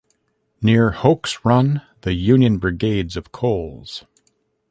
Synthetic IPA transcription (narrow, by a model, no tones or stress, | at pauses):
nɪɹhoʊksɹʌ̃n | ðɨjʉ̃njɨ̃nbɹɨɡeɪdzʌv̥kʰoʊlˠz̥